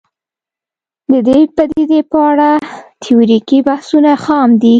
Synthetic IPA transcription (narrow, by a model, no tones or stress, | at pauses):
d̪əd̪ejpəd̪ed̪epəaɽat̪ʰiuɾikibahsunaxɑmd̪i